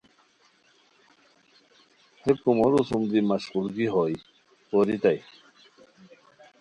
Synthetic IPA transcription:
hep̚kumoɾusumd̪imaɕʁulɡiɦɔj | poɾit̪aj

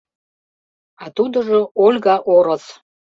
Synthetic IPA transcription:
at̪ud̪əʐə̆olʲɡaʔoɾaz

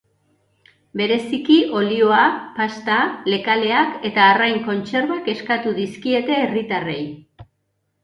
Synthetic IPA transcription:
be̞ɾe̞sikiʔo̞lio̞apast̪ale̞kale̞ake̞t̪aːrajŋko̞nt͡se̞ɾβake̞skat̪uðiskie̞t̪e̞ːrit̪are̞j

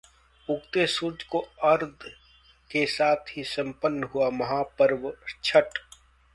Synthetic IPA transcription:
ʊɡt̪esuɾd͡ʒkoɐɾd̪ʱ | kesaːt̪ʰɦisə̃mpənːɦʊamɐɦaːpəɾʋt͡ʃʰəʈ

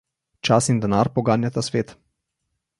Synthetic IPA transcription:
t͡ʃasind̪ɛnaːɾpɔɡaːnjat̪asʋeːt̪

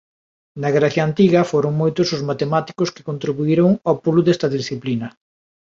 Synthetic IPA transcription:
nɐɣɾaθjaant̪iɣɐfoɾoŋmojt̪ʊsʊzmat̪emat̪i̥kʊskɪ̥kont̪ɾiβuiɾoŋawpuluðest̪ɐðisθiplinɐ

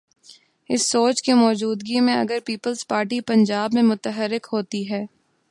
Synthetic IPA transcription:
ɪsːoːt͡ʃkimɔːd͡ʒuːd̪ɡimẽɐ̰ɡəɾpiːpəlzpaːɾʈipɐ̃ɲd͡ʒaːbmẽmʊt̪əɦəɾɪkɦoːt̪iɦɛː

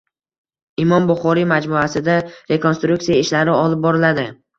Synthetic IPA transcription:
ɪmɒmbʊχɒɾimad͡ʒmuasɪd̪aɾe̞ko̞nst̪ɾuk̚t̪ijaɪʃlaɾɪɒlˠɪp̚bɒɾɪlad̪ɪ

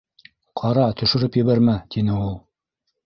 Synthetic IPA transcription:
qʰɑɾɑt̪ʰɵ̆ʃɵ̆ɾɘpjɘ̆βæɾmæt̪inɘulˠ

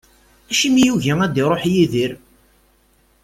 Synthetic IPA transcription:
æʃimijuʝæŋæd̪iɾˤoħjiðiɾ

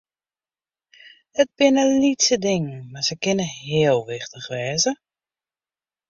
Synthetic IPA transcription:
ət̚bɪnəlitsədɪŋmasəkɪnəɦɪəlˠʋɪxtəxʋɛːzə

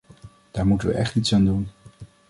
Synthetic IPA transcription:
d̥aːɹmutənʋə̰ʔɛχtitsaːndun

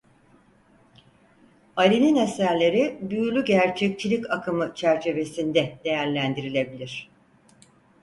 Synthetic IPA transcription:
aɾininesæɾlʲe̞ɾibyjylʲyɟæɾt͡ʃʰɛc̚t͡ʃʰilʲicakʰɯmɯt͡ʃʰæɾt͡ʃʰe̞ve̞sind̪ɛd̪̥e̞jæɾlʲænd̪iɾilʲe̞bilʲiɾ̝̥

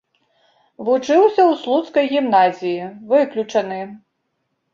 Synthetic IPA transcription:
vut͡ʂɨwsʲɐwslˠut̪skɐjɣʲimnazʲijivɨklʲut͡ʂɐnɨ

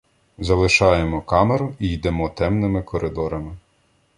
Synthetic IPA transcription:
zɐlˠɪʃɑjemɔkɑmeɾʊijd̪ɛmɔt̪ɛmnɪmɪkɔɾʔɪd̪ɔɾɐmɪ

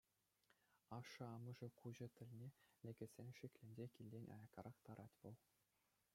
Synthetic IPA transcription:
ɑʂɤ̆ɑmɤ̆ʐɤ̆kuʑɤ̆t̪ʲɘ̆lʲnʲelʲĕɡʲɘ̆sʲenʲʂĭkʲlʲɘ̆nʲd͡ʑʲekʲilʲdʲenʲɑ̰jɑkɑɾʔɑχt̪ɑɾʔɑtʲʋɤ̆lˠ

